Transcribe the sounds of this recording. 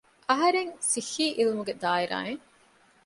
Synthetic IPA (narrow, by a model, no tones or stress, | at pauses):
ʔɐɦɐɾeŋsihːiːʔilumuɡed̪aːiɾa̰ːeŋ